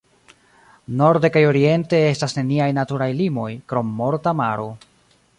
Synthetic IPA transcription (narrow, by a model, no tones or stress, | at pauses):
no̞ɾde̞kajo̞ɾie̞nte̞e̞stasne̞niajnatuɾajlimo̞jkɾo̞mːo̞ɾtamaɾo̞